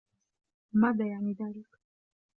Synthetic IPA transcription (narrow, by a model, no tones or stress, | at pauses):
mad̪ajanid̪aɾik